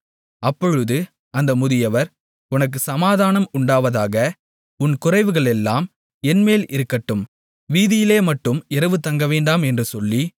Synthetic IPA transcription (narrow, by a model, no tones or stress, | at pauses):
ʔɐpːɔɻɯðɯ | ɐnd̪ɐmʊðɪjɐʋɐɾ | ʊnɐk̬ːɯsɐmaːðaːnɐmʊɳɖaːʋɐðaːɣɐ | ʊnkʊrɐɪʋɯɣɐɭɛlːaːm | ɛnmeːlɪɾɯkːɐʈːɯm | ʋiːðɪjɪleːmɐʈːɯmɪrɐʋɯt̪ɐŋɡɐʋeːɳɖaːmɛndrɯsɔlːi